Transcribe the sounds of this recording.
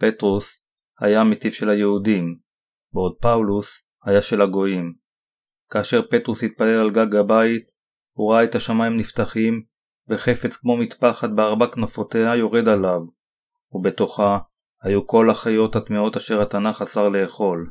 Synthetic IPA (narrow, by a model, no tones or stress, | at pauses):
pe̞tʁus | ha̰jamet̪ifʃe̞lhajeudim | beod̪̚paulus | hajaʃe̞laɡo̞im | kaːʃe̞ʁpe̞t̪ʁushit̪̚pale̞lalɡaɡabait̪̚ | huʁaaet̪aʃamajimniftaχim | veχe̞fe̞t͡skmo̞mit̪paχad̪̚beaʁbaknofo̞t̪e̞hajo̞ʁe̞d̪alav | ube̞t̪o̞χa | hajuko̞laχajo̞thatmeo̞taʃe̞ʁhat̪anaχasaʁle̞ːχo̞l